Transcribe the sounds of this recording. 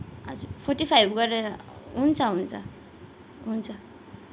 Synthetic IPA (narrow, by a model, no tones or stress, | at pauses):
a̰d͡zupʰoɾʈipʰajbɡʌɾeɦunt͡sʰʌɦunt͡sʰʌ̰ | ɦunt͡sʰʌ